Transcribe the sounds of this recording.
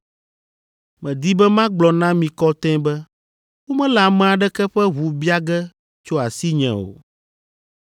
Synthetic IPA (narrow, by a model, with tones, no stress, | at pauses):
mɛ̃˨d̪i˦bɛ˦mã˦ɡ͡blɔ˨nã˦mĩ˨kɔ˦t̪ɛ̃˦bɛ˦ | wo˦mɛ̃˦la˨mɛ̃˨a˨ɖɛ˦kɛ˦ɸɛ˦ɦu˨bi˦a˦ɡɛ˦ | t͡ʃo˦a˨si˦ɲɛ̰̃˨o̰˨